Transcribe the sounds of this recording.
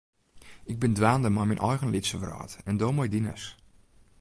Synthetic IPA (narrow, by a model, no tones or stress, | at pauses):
ɪɡ̚bɪndʋaːndəmɔjminʔɔjɣənlɪtsəvrɔ̰ːtɛndoːmɔjdinə̰s